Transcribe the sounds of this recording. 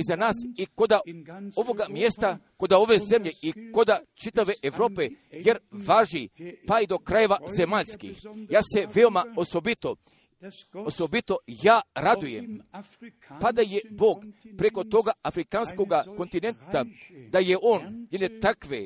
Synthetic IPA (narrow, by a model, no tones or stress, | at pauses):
izanaːsikod̪aoʋo̞ɡamjest̪ako̞d̪ao̞ʋe̞ze̞mʎe̞ikod̪at͡ʃit̪aʋe̞ʔeʋɾo̞ːpejeɾʋaːʒipaid̪o̞kɾaje̞ʋaze̞maʎskḭxjaːse̞ʋe̞omaosobit̪o | osobit̪o̞jaːɾad̪uje̞̰m | pad̪aje̞boːɡpɾe̞ko̞t̪oɡaafɾikansko̞ɡako̞nt̪ine̞nt̪ad̪ajeʔo̞ːnjed̪ne̞t̪akʋe